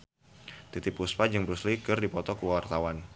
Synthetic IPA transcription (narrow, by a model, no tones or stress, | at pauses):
t̪it̪ipuspad͡ʒəŋbɾuslikɨrdipɔt̪ɔkəwart̪awan